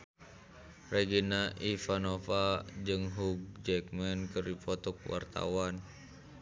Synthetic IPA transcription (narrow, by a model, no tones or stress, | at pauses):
reɡinaʔifanofad͡ʒɨŋɦub̚d͡ʒɛk̚mɛnkɨrdipɔt̪ɔk̚wa̰rt̪a̰wan